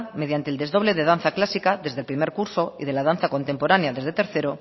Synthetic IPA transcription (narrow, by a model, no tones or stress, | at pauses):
með̞jant̪eld̪e̞zðo̞β̞le̞ðeð̞an̟θaklasikaðe̞zðelpɾimeɾkuɾso̞iðe̞laðan̟θako̞nt̪e̞mpoɾanjaðezðet̪e̞ɾθeɾo